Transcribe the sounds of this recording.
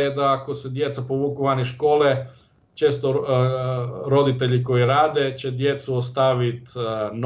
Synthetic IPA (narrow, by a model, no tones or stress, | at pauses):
jed̪aːko̞sed̪je̞t̪sapoʋuːkuʋaniʃko̞ːle | t͡ʃeːst̪o | ɾo̞d̪it̪eʎiko̞jiɾaːd̪et͡ɕed̪je̞t̪suost̪aʋit̪n